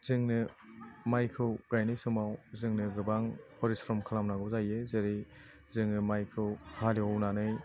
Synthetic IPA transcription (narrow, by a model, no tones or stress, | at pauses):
z̥ɯŋnɯmajkʰɯwɡajnɯjsɯmawzɯŋnɯɡɯbaŋhʰɔɾisɾɔmkʰalamnaɡɯwzajezɯɾi | zɯŋnɯmajkʰɯwhaliɔwnanɯj